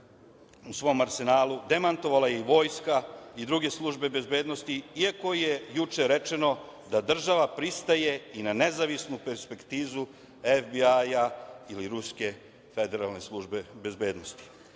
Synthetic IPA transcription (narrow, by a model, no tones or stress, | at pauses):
usʋo̞maɾse̞naːlud̪e̞mant̪o̞ʋalaje̞iʋo̞ːjskaid̪ɾuɡe̞slˠuʒbe̞be̞zbeːd̪no̞st̪iiako̞jejut͡ʃe̞ɾe̞t͡ʃe̞no̞ | d̪ad̪r̩ʒaʋapɾist̪aje̞inane̞zaʋisnupe̞ɾspe̞kt̪iːzu | efbiajailiɾuske̞ | fe̞d̪eɾalˠne̞slˠuʒbe̞be̞zbe̞ːd̪no̞st̪i̥